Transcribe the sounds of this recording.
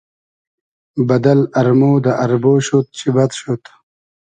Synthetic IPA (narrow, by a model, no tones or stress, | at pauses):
bɐd̪ɐlɐɾmoːd̪ɐʔɐɾboːɕut̪̚t͡ɕʰibɐt̪ɕut̪